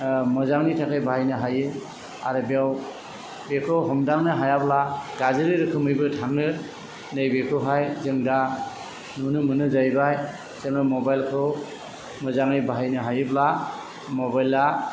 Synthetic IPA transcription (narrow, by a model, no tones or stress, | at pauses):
mɯzaŋnitʰakajbʱaajnɯɦajɯ | a̰ɾɯbjaw | bekʰɯwɦɔmdaŋnɯɦajablaɡazɯɾɯɾɯkʰɯmɯjbɯtʰaŋnɯ | nɯjbekʰɯɦajzɯŋda | nunɯmɯnɯzajbaj | seŋnɯmɔbajlkʰɯw | mɯzaŋnibaɦjnɯɦajɯbla | mɔbajla